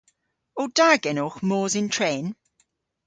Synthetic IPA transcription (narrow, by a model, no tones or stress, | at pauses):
od̥aɡɛnoxmɔːzɪntʰɹɛːn